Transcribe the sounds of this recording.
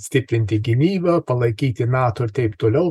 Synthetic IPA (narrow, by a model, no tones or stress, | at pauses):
sʲt̪ʲɪpʲɾʲɪnʲt̪ʲɪɡʲɪmʲiːbɐpɐlˠɐɪkʲiːt̪ʲɪnɑːt̪oːɪɾt̪ʲɛɪpt̪oːlʲɛʊ